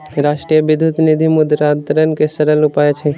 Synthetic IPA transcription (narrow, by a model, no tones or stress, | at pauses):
ɾaʃʈɾijəbid̪ʱut̪nid̪ʱimud̪ɾat̪ɾənkesəɾəlupaet͡ʃʰɛ